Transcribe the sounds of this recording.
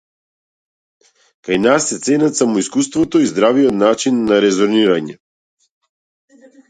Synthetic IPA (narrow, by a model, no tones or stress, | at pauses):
kajnasːɛt̪sɛnat̪samɔiskust̪vɔt̪ɔizd̪ɾaviɔt̪nat͡ʃinːaɾɛzɔɾniɾaɲɛ